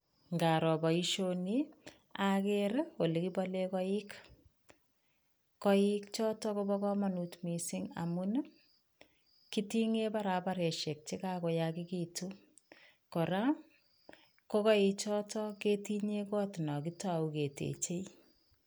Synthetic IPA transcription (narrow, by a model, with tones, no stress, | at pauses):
ŋɡa˨ɾɔ˨ba˨i˦ʃoni˦ | a˦ke˦ɾo˨lekibɔ˦le˦kɔ˦i˦k | kɔi˦k̚t͡ʃɔ˦tɔkobɔ˦kɔ˦ma˨nutmi˨si˦ŋa̰mu˦n | kiti˦ŋe˦paɾapa˦ɾe˨ʃe˨k̚t͡ʃi˦ka˦kɔ˨jaki˦kitu | kɔ˨ɾa˦ | kɔ˦kɔ˦it͡ʃɔ˦tɔ˦ke˦ti˦ɲekɔ˦tnɔ˨kitauke˨tḛt͡ʃe˦